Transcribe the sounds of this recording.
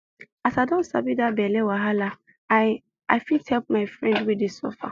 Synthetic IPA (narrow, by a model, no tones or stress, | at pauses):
asaɪdɔ̃nsa̰bidabɛlɛwaɦala | aɪfithɛlp̚maɪfɹɛ̃ndwidisɔ̰fa̰